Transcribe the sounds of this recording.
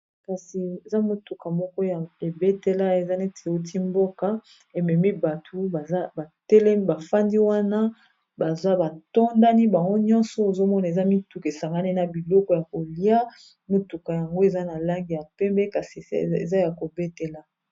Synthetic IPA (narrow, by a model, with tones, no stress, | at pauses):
ka˨si˨e˨za˦mo˨tu˨ka˨mɔ˦kɔ˦ja˨e˨be˦te˦la˦e˨za˦ne˦tʰe˨o˦ti˦mbo˦ka˦ | e˨mɛ˨mi˦ba˨tʰu˦ba˨a˦ba˨tɛ˦lɛ˦ba˨fa˦ndi˦wa˦na˦ | ba˨za˦ba˨tɔ˦nda˦ni˦ba˨ŋɡo˦ɲɔ̃˦nsɔ˦o˨zo˦mɔ˦na˨e˨za˦mi˦tu˨ke˨sa˨ŋɡa˦ni˦na˨bi˨lɔ˦kɔ˦ja˨ko˨li˦a˦ | mo˨tu˨ka˨ja˨ŋɡo˦e˨za˦na˨la˦ŋɡi˨ja˨pɛ˦mbɛ˦ka˨sḭ˨ḛ˨za˦ja˨ko˨be˦te˨la˨